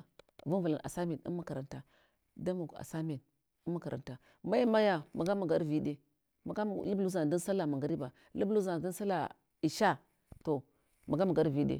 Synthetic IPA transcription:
vu˦nvu˨la˨ʔa̰˨sa˦me˨nḭ˦ma˦ka˨ɾa˨nta˨ | da˦mu˨ka̰˨sa˦me˨n | i˦mːa˦ka˨ɾʔa̰˨nta˨ | ma˦i˦ma˦ja˨ma˨ɡa˦ma˨ɡa˦ɾvi˦de˨ | ma˨ɡa˦˨li˦bu˦za˨di˦n˦sa˦la˨ma˨ŋɡa˨ɾi˦ba˨ | lu˦blu˦za˨di˦n˦sa˦la˨ | i˨ʃa˦ | to˨ | ma˨ɡa˦ma˨ɡa˦ɾvi˦dḛ˨

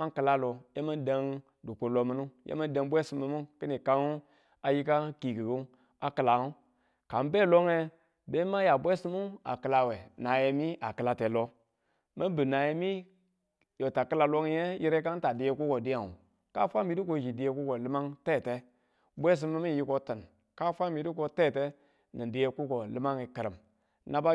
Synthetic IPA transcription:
ma˦ŋkɨ˨la˦lo˨je˦ma˦n˦de˨ŋ | du˨ko˨lo˨mi˦nu˦jʔḛ˦ma˦n˦de˨ŋ˦bʷe˦si˨˦mi˦mu˦ki˦ni˨ka˦nu˦ | a˨ji˦ka˦ki˨ɡi˨ɡu˦ | a˨kɨ˨la˨u˦ | ka˨m˦be˦˨lo˦ŋe˦ | be˦ma˦ja˨bʷe˦si˦mu˦na̰˨kɨ˨la˨we˨na˨je˨mi˦a˨kɨ˨la˨te˨lo˦ | me˦bɨ˨na˨je˦mi˦ | jo˨ta˨kɨ˦la˨lo˦ŋi˦e˦ji˦ɾe˦ka˦n˦ta˨di˨˦je˦ku˦ko˨di˦ja˨ŋṵ˨ | ka̰˦fʷa˦mi˨di˦k̬o˦˨d͡ʒi˨di˨je˦ku˦ko˨lɨ˦ma˦ŋte˦˨te˦ | bʷe˦s̬i˦mi˦mi˦˨ji˦ko˦ti˨n | ka˦fʷa˦mi˨di˦ko˨˦te˦˨te˦ | ni˨di˦je˦ku˦ko˨lɨ˦ma˦ŋi˨ki˨ɾi˨m | na˦ba˦

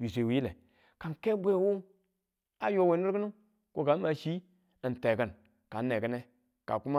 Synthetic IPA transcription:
wi˨se˨wi˨˦ji˦le˨ | ka˨nke˦bʷe˦˨wu˦ | a˨jo˦we˨˦nu˦ɾkə˦nu˦ | ko˦ɡa˨˦ma˨ʃi˦ | ɨ˨n˨te˨kə˨n | ka˨nː˦e˨kə˦ne˦ | ka̰˨ku˦ma˦

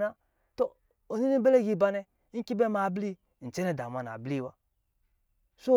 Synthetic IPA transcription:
na˦ | to˦ | o˨ni˦ni˦be˦le˦˨ɡi˦˨ba˦nɛ˦ | ŋ̩˦ki˦be˦ma˨bli˦˨ | n̩˨t͡ʃe˦ne˦da˨mʷ˨a˨na̰˨bli˦˨wa˦ | so˦

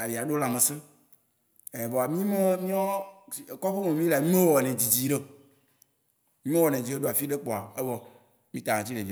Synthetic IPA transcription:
a˨vi˨a˨ɖo˦la˨mẽ˨se˦ | e˨bɔ˨a˨mĩ˦mẽ˦mĩ˦ɔ˦˨kɔ˦ɸe˦mẽ˨mĩ˦le˨a˨ɲũ˦ẽ˦wɔ˨nɛ̃˨d͡ʑi˨d͡ʑi˨ɖe˦ | ɲũ˦e˦wɔ˨nɛ̃˨d͡ʑi˨ɖe˦ɖo˦a˨fi˦ɖe˦k͡pɔ˨a˨e˦bɔ˨ | mĩ˦t̪a˨ã˨t͡ɕi˦nẽ˨vĩ˨

